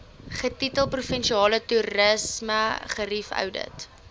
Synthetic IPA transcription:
χətitəlˠprufənʃiɑːlətuɾəsməχəɾifœ̰wdə̰t

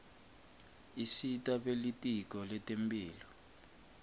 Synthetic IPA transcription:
isitʼaɓelitʼik̬ɔlɛtʼempiːlɔ

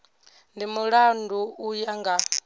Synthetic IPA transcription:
ndimuɺanduujaŋɡa

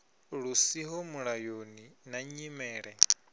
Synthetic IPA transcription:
ɺusiɦɔmuɺajoninaɲimɛːɺɛ

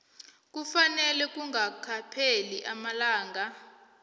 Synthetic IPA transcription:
k̬ʼufanɛlɛk̬ʼuŋakʰapʰeliʔamalaːŋɡʱa

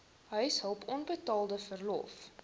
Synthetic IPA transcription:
ɦœɥsɦəlˠpʰɔnbətɑːlˠdəfərlɔ̰f

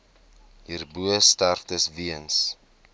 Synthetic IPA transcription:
ɦiːrbuəstærftəsviəns

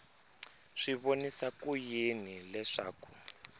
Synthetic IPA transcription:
ʂiβonisakujenilɛʂaːku̥

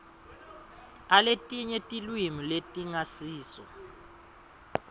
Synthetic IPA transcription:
aletʼiɲɛtʼilwimiletʼiŋasiːsɔ̰

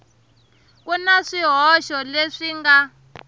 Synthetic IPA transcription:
k̬unaʂiɦɔʃɔleʂiŋɡa

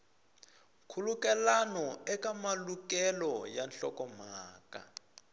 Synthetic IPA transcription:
kʰulukɛlanɔɛkamalukɛlɔjanɬɔkɔm̤aːka̰

